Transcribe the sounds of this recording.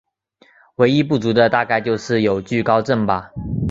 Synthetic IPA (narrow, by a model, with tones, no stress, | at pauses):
we˧˥ɪi˦˥pu˥˩t͡su˨˧˥d̪ə˨t̪a˥˧ka˥˧ɪt͡ɕjo˥˧ʊʂɻ̩˥˩jo˨˩ʊt͡ɕy˥˨˩kɑ˥˦ʊʈ͡ʂə˥˩nba˨